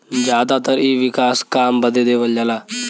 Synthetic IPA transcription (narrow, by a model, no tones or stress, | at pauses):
d͡ʒjaːd̪at̪əɾiːʋɪkaːskaːmbəd̪ed̪eːʋəljalaː